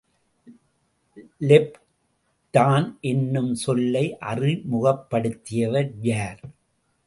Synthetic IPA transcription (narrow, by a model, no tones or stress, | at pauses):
lɛp | t̪aːnʔɛnːɯmsɔlːɐɪʔɐrimʊɣɐpːɐɽɯt̪ːɪjɐʋɐɾjaːɾ